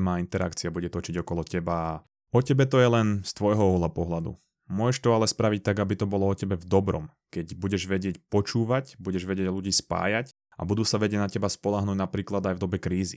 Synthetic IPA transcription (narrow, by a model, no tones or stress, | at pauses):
maːint̪ɛɾa̰kt͡siabuɟɛt̪ɔt͡ʃiɟɔkɔlɔcɛbaː | ɔcɛbɛt̪ɔjɛlɛnst̪ʋɔjɦɔɔɦlapɔɦlad̪ṵ | mʊɔʒɛʃt̪ɔalɛspɾaʋic̚t̪aɡabit̪ɔbɔlɔɔcɛbɛvd̪ɔbɾɔ̰m | kɛɟbuɟɛʒʋɛɟɪɛcpɔt͡ʃuːʋacbuɟɛʒʋɛɟɛɟluɟiːspa̰ːjac | ʔa̰bud̪uːsaʋɛɟɛɟnacɛbaspɔlaɦnuːɟnapɾiːklad̪ajvd̪ɔbɛkɾiːzi